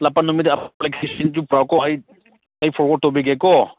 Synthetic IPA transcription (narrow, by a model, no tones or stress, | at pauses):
lapanɔmidɛaplakʰsind͡ʒupɾawkɔaj | ajpʰɔɾkɔtɔbiɡɛkɔ